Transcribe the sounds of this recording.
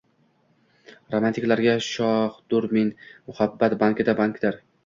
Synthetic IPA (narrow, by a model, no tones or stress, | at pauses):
ɾomant̪ʰikʲlaɾɡʲaʃɒhd̪ʊɾmɪnmʊhabːat̪baŋkʲɪd̪abaŋkd̪ɪɾ